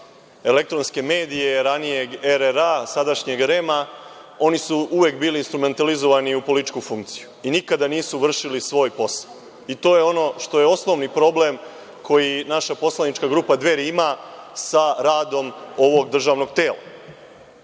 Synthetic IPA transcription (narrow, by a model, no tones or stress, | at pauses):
e̞le̞k̚t̪ɾo̞nske̞me̞ːd̪ije̞ɾanije̞ɡeɾeɾasad̪aʃɲe̞ɡɾe̞ma | o̞nisuʔuʋekbiːliːnst̪ɾume̞nt̪alizo̞ʋaniupo̞litt͡ʃkufuŋkt̪si̥juinikad̪aniːsuʋr̩ʃilisʋo̞ːjpo̞sḁw | it̪o̞ːjeo̞no̞ʃt̪o̞je̞o̞sno̞ʋnipɾo̞ble̞m | kʰo̞jinaʃapo̞slˠanit͡ʃkaɡɾuːpad̪ʋe̞ɾiimasaɾaːd̪o̞mo̞ʋo̞ɡd̪r̩ʒaːʋno̞ɡt̪eːla̰